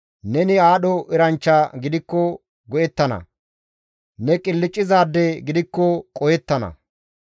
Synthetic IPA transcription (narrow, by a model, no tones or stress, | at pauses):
nɛnɪaːɗɔʔɪɾɐnt͡ʃːaɡɪd̪ɪkːɔ | ɡɔjɛt̪ːɐnɐ̰ | nɛkʼɪlːɪt͡ʃʼːɪzaːd̪ːɛɡɪd̪ɪkːɔkʼɔjɛt̪ːɐnɐ̰